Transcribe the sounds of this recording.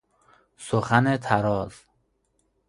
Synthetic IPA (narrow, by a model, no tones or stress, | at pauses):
soxanet̪ʰaɾɒːz̥